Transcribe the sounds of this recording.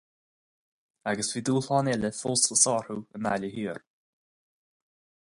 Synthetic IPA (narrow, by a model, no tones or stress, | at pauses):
aɡəsviːd̪uːlɔːnɛləfɔlˠsləsɔːɹhuəna̰ljəɦiːəɹ